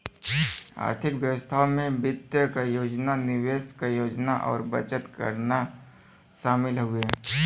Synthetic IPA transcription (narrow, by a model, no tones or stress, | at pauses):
a̰ːɾt̪ʰɪkʋjəwəst̪ʰaomẽbɪt̪jəkajoːd͡ʒnanɪʋeːskajoːd͡ʒnaʔɔ̰ːɾbə̰t͡ʃət̪kə̰ɾna | ʃaːmɪlɦʊe